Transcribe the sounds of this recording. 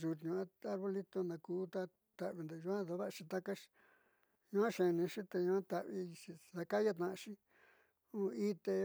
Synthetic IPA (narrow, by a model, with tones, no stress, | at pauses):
ʒu˨t̪ɲũ˧a˦a˧ɾβo˧li˦t̪o˧nã˧kuː˨˦t̪a˦ | t̪a˧˨ʔβi˧nd̪e˧ʒu˧ã˦ða˧βa˦ʔʃĩ˧t̪a˦ka˦ʃ | ɲũ˧ã˦ʃẽ˨˧nĩ˧ʃi˦t̪e˧ɲũ˧ã˦t̪a˨βi˧ʂi˧ða˧ka˦ja˦˧t̪nã˧˨ʔʃĩ˦ | ũ˦i˦t̪e˧